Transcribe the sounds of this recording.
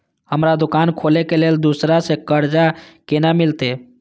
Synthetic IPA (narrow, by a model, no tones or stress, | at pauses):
həmɾad̪ukankʰolekeleld̪usɾasekəɾd͡ʒakenamilt̪e